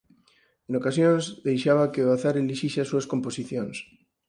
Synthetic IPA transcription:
enokasjõnzðejʃaβ̞akeoaθaɾeliʃiseasuaskomposiθjoŋs

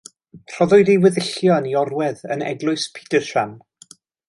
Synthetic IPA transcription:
r̥ɔðʊjdiwɪðɪɬjɔəniɔrwɛðə̰nɛ̰ɡlˠʊɨspʰi̥dəʃan

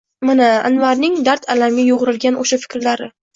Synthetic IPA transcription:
manaanvaɾnɪŋd̪aɾt̪ʰalamɡʲajʊʁɾɪlɡʲanʔoʃafɪ̥kʲɾlaɾɪ

